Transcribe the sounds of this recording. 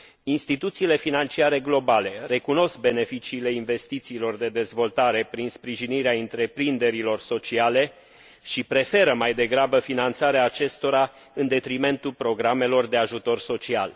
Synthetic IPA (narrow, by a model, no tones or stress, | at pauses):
inst̪it̪ut̪siːle̞finant͡ʃiaɾe̞ɡlo̞bale̞re̞kuno̞sk̚be̞ne̞fit͡ʃiːle̞inve̞st̪it̪siːlo̞rd̪e̞d̪e̞zvo̞lt̪aɾe̞pɾinspɾiʒiniɾeaɨnt̪ɾe̞pɾind̪e̞ɾilo̞rso̞t͡ʃiale̞ | ʃipɾe̞fe̞ɾəmajd̪e̞ɡɾabəfinant̪saɾeaːt͡ʃe̞st̪o̞ɾa | ɨnd̪e̞t̪ɾime̞nt̪ulpɾo̞ɡɾame̞lo̞rd̪e̞aʒut̪o̞rso̞t͡ʃia̰l